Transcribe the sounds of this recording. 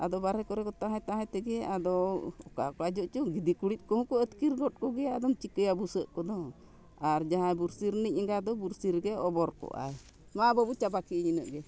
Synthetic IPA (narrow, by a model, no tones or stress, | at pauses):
ad̪ɔbaɾɛkɔɾɛkɔt̪aɦɛt̪aɦɛt̪ɛɡɛad̪ɔɔkakɔlad͡ʒɔʔt͡ʃɔɡid̪ikuɽit̪̚ˀkɔhũkɔət̪kiɾɡɔt̪̚kɔɡɛad̪ɔmt͡ʃikəjabusəʔkɔd̪ɔ | aɾd͡ʒaɦajbuɾsiɾnic̚ɛŋɡad̪ɔbuɾsiɾɡɛɔbɔɾkɔ̰ʔa̰j | mabəbut͡ʃabakiɲinəʔɡɛ